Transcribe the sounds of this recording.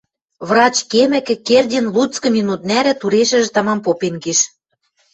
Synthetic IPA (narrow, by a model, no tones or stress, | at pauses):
βrɑt͡ɕkemɘ̆kɘ̆kerʲdʲĕnlut͡skɤ̆mʲinut̪̚næɾɘ̆t̪uɾeʃɘ̆ʒɘ̆t̪ɑmɑmpopenɡeʃ